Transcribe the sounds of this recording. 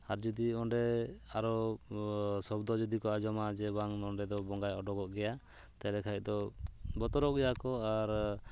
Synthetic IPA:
aɾd͡ʒud̪iɔɳɖɛaɾɔ | sɔbd̪ɔd͡ʒɔd̪ikɔad͡ʒɔmad͡ʒɛbaŋnɔɳɖɛd̪ɔbɔŋɡajɔɖɔɡɔʔɡɛja | t̪ɛlɛkʰajc̚ˀd̪ɔbɔt̪ɔɾɔʔɡɛjakɔaɾ

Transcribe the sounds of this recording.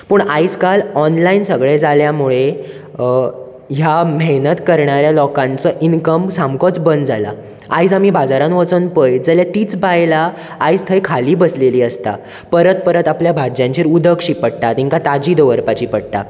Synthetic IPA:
puːɳaid͡zkalɔnlainsəɡɭed͡zaljamuɭe | ɦjameɦnət̪kəɾɳaɾjalɔkãnt͡səʔinkəmsamkɔt͡sbənd͡zʱala̰ | a̰id͡zamiːbad͡zaɾãnʋət͡sənpəjd͡zəljat̪iːt͡sbajlaː | ist̪ʰəjkʰaliːbəsleliːəst̪a̰ | pəɾət̪̚pəɾət̪apljabʱad͡ʑjãɲt͡ɕʰeɾud̪əkʂiːpəɽʈ̪at̪iŋkat̪ad͡ʑiːd̪əʋəɾpat͡ɕiːpəɽt̪a̰

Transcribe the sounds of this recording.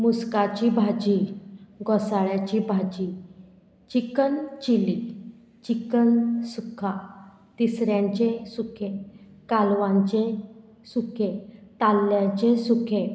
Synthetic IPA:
muskat͡ɕibʱad͡ʑiɡɔsaɭjat͡ɕibʱad͡ʑi | t͡ɕikənt͡ɕili | t͡ɕikənsukʰa | t̪isɾjãɲt͡ɕẽsukʰe | kalʋãɲt͡ɕe | sukʰet̪alːjat͡ɕesukʰe

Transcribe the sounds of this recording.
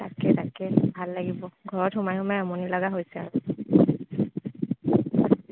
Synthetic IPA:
ta̰kɛtakɛbʱalːaɡibɔɡʱɔɹɔthʊmajɦʊmajamɔnilɔɡaɦojsɛa̰ɹʊ

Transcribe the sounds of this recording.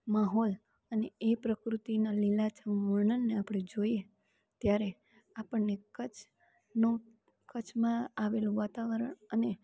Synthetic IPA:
maɦol | əneepɾəkɾut̪inalilat͡ʃʰəʋəɳənːeapɽ̃ed͡ʒoie | t̪jaɾe | apəɳnekət͡ʃʰ | nũ | kət͡ʃʰmãaʋelũʋat̪aʋəɾəɳəne

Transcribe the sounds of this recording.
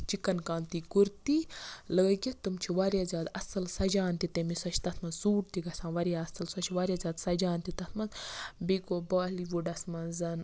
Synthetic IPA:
t͡ʃikɐnkaːnt̪ikuɾt̪iləːɡʲit̪umt͡ʃʰiʋaɾjaːzʲaːd̪ɐsɐlsɐd͡ʒaːnt̪it̪emisɐt͡ʃʰt̪ɐt̪ʰmɐnsuːʈt̪iɡɐsãːʋɐɾjaːsɐlsɐt͡ʃʰʋaːɾʲjaːzʲaːd̪sɐd͡ʒaːnt̪it̪ɐt̪ʰmɐnbiɡobaːliʋuɖɐsmɐnzɐn

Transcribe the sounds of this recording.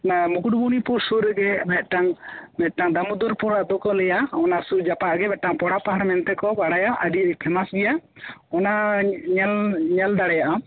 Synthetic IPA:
amukuɖ̚bunipuɾsuɾɡɛmɛt̪̚ʈaŋmɛt̪̚ʈaŋd̪amud̪uɾpuɾaʔd̪ɔkɔlɛjaɔnasud͡ʒapaʔɡɛmɛʈaŋpɔɽapaɦaɾmɛnt̪ɛkɔbaɽajaʔəɖiipʰɛmasɡɛja | ɔnaɲɛlɲald̪aɽɛjaʔa

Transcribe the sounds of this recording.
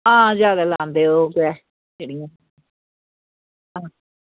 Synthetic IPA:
ɦãːzjaːd̪aːlaːnd̪eːokɛː | d͡ʒeːɽijã | ɦãː

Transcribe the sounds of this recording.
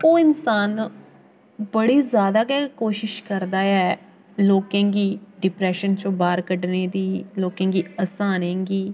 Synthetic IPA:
oːɪnsaːn | bəɽiːzjaːd̪aːkɛkoːʃɪʃkəɾd̪aːɛː | loːkẽːɡiːɖɪpɾɛːʃənt͡ʃõːbaːɾkəɖneːd̪iːloːkãːɡiːəsãːnẽːɡiː

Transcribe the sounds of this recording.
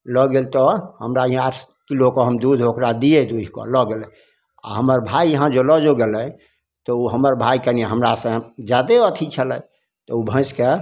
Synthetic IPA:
lɔɡelt̪ɔhəmɾajɦãaʈʰkilokɔɦəmd̪ud̪ʱokɾad̪iɛd̪uikɔ̰lɔɡelɛ | a̰ɦəməɾbʱajːəɦãd͡ʒolɔd͡ʒoɡelɛ̃ | t̪ɔuɦəməɾbʱaikənieɦəmɾasə̃d͡ʒad̪eət̪ʰit͡ʃʰəlɛj | t̪ɔubʱə̃ske

